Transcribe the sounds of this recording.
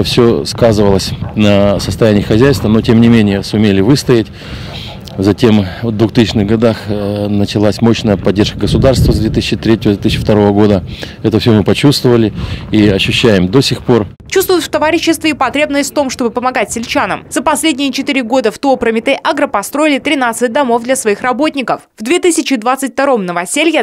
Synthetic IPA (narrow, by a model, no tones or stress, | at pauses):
fsʲoskazɨvəlˠəsʲnəsəst̪ɐjænʲɪəxɐzʲæjst̪vəno̞tʲemnʲɪmʲenʲɪjəsʊmʲelʲɪvɨst̪əɪtʲ | zɐtʲe̞mvd̪vʊxt̪isʲɪt͡ɕnɨɣɡɐd̪axnət͡ɕɪlˠasʲmo̞ɕnəjəpɐdʲːeʂkəɡəsʊd̪arst̪vəzd̪vʲet̪ɨsʲɪɕɪt̪ɾʲetʲɪvəzʲt̪ɨsʲɪt͡ɕːɪ̥ft̪ɐɾo̞vəɡo̞d̪ə | ɛt̪əfsʲɵmɨpɐt͡ɕust̪vəvəlʲɪiɐɕːʉɕːæjɪmd̪o̞sʲɪxpo̞r | t͡ɕust̪vʊjʊt̪ft̪ɐvaɾʲɪɕːɪst̪vʲɪːpɐt̪ɾʲebnəsʲtʲft̪o̞mʂt̪o̞bɨpəmɐɡatʲsʲɪlʲt͡ɕanəmzəpɐsʲlʲedʲnʲɪjət͡ɕɪt̪ɨɾʲɪɡo̞d̪əft̪ooːpɾəmʲɪt̪ɛʔaɡɾəpɐst̪ɾo̞ɪlʲɪt̪ɾʲɪnat̪sɨt̚ʲd̪ɐmo̞vd̪lʲɐsvɐixrɐbo̞tʲnʲɪkəfvd̪vʲet̪ɨsʲɪt͡ɕːɪd̪vat̪sɨtʲft̪ɐɾo̞mnəvɐsʲelʲjə